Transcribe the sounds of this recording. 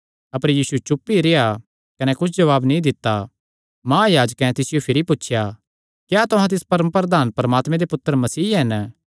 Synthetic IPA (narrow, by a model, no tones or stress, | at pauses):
ɐpəɾjiːsut͡ʃʊpːiɾea | kɐnɛkʊt͡ʃʰd͡ʒɐʋaːbnĩd̪ɪt̪ːa | mãːjaːd͡ʒəkɛ̃t̪ɪsɪjopʰɪɾipʊtːʃʰja | kjaːt̪ʊɦãt̪̬ɪspɐɾəmpɾəd̪aːnpɾɐmaːt̪mẽd̪epʊt̪ːəɾmɐsiːɦɛn